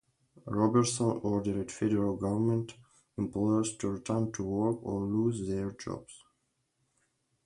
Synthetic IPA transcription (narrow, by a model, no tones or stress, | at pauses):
ɹɔbəɹtsɔ̃nɔɹdəɹɪdfɛdəɹalˠɡʌvə˞mə̃nt | ɪ̃mplɔəɹztʰuɹitʰəntʰuwɔɹkɔɹluzðɛɹd͡ʒɔ̰bz̥